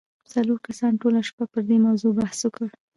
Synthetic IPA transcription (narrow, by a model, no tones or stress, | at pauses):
t͡saloɾkasɑnʈolaʃpapəɾd̪emawzobahswəkəɽ